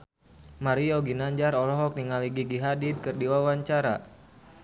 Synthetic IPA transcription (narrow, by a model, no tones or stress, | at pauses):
maɾiɔɡinaɲd͡ʒaɾɔlɔɦɔk̚niŋaliɡiɡiɦadid̪̚kɨrdiwawaɲt͡ʃaɾa̰